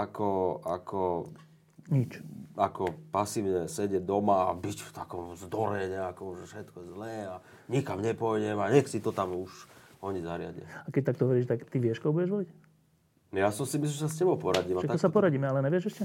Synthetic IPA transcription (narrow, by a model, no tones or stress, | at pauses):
akɔa̰kʰɔ | ɲit͡ʃakɔpasiːʊɲɛsɛɟɛɟ̚d̪ɔmaːbicft̪akɔmzd̪ɔɾɛɲɛakɔmʒɛfʃɛt̪kɔjɛzlɛːa | ɲikamɲɛpɔjdɛmaɲɛxsit̪ɔt̪amuʃɔɲiza̰ɾɪa̰ɟɪa̰akɛc̚t̪akt̪ɔɦɔʋɔɾiːʃt̪akt̪iʋɪɛʃkɔɦbuɟɛʒʋɔlic | jasɔmsimis̬limɛsascɛbɔʊpɔɾaɟiːmaʃɛt̪kɔsapɔɾaɟiːmɛalɛɲɛʋɪɛʒɛʃcɛ